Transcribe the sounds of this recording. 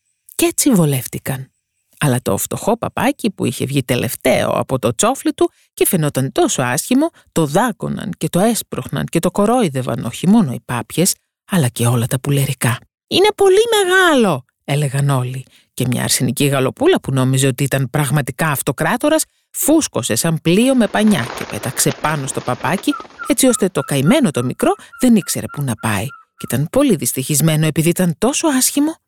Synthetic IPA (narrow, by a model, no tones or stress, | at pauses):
ce̞t͡sivo̞le̞ft̪ikɐn | ɐlɐt̪o̞̰ft̪o̞xo̞pɐpɐcipuiçe̞vʝit̪e̞le̞̰ft̪e̞̰o̞̰ɐ̰po̞t̪o̞t͡so̞flit̪u | cefeno̞t̪ɐnt̪o̞so̞ɐsçimo̞ | t̪o̞ðɐɡo̞̰nɐ̰nce̞t̪o̞e̞spɾoxnɐ̰nce̞t̪o̞ko̞ɾo̞iðe̞vɐ̰noçimo̞no̞ipɐpçe̞s | ɐlɐceo̞lɐt̪ɐpuleɾikɐ | ine̞po̞lime̞ɣɐlo̞ | e̞le̞ɣɐno̞li | ce̞mɲɐ̰ɐ̰ɾsiniciɣɐlo̞pulɐpuno̞mize̞o̞t̪iit̪ɐnpɾɐɣmɐt̪ikɐːft̪o̞kɾɐt̪o̞ɾɐs | fuskose̞sɐmplio̞me̞pɐɲɐ̰ce̞̰pe̞̰t̪ɐkse̞pɐno̞st̪o̞pɐpɐcie̞t͡sio̞st̪e̞t̪o̞kɐime̞no̞t̪o̞mikɾo̞ðe̞nikse̞ɾe̞punɐpɐ̰icit̪ɐnpo̞liðist̪içizme̞no̞e̞piðiit̪ɐnt̪o̞so̞ɐsçimo̞